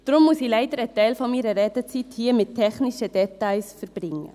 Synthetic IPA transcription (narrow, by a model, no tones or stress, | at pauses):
d̥̪ɾʊmːusiːlæɪd̥əɾɛt̪ɛɪlfɔniːɾəɾɛt̪ət͡sithiːəmɪtt̚tʰɛχnɪʃəd̥ɛt̪aɪsfəɾb̥ɾɪŋːə̰